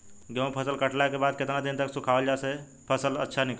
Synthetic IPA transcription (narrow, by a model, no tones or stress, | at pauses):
ɡə̃pʰəsəlkəʈlakebad̪̚ket̪nad̪int̪əksukʰabəld͡ʒase | pʰəsələ̰tːʃʰanik